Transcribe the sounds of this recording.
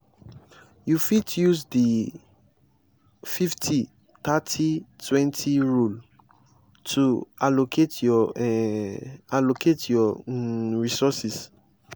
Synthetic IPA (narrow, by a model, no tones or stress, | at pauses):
jufitjuzdi | fiftʰi | t̪atʰitʰwɛ̃ntʰiɹul | tʰualokʰetjɔ | alokʰetʰjɔ | ɹisɔsis